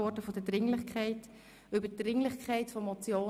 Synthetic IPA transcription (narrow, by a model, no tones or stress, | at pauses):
ɔɾdəfodədɾɪŋlɪχkʰχɛɪt | ʏbəd̥ɾɪŋlɪχkʰɛɪtfɔmɔt͡sjoː